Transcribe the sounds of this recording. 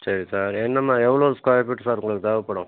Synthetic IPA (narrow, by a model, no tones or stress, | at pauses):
sɐɾisaːɾɛnːɐmːaːɛʋɐɭoːskaːjɐpiʈːsaːɾɯkːɭɐkːɯt̪ɐʋɐpːɐɽʊ̃